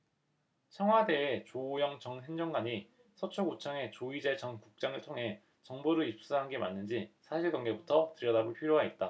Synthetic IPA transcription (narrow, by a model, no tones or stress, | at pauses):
t͡ɕʰʌŋɦwade̞ːt͡ɕojʌŋt͡ɕʌŋsʰe̞ŋd͡ʑoŋɡaɲi | sʰʌt͡ɕʰoɡut͡ɕʰʌŋe̞t͡ɕoid͡ʑet͡ɕʰʌŋkuk̚t͡ɕ͈aŋɯɭtʰoŋɦe̞ | t͡ɕʌŋbuɾɯip̚s͈uɦanɡe̞manːɯnd͡ʑisʰaɕʰiɭɡʌŋɡe̞butʰʌtɯɾjʌdaɡoɭpʰiɾjoɦait̚t͈a